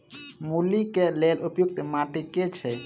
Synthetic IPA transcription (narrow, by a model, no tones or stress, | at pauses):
mulikelelupjuk̚t̪maʈiket͡ʃʰɛ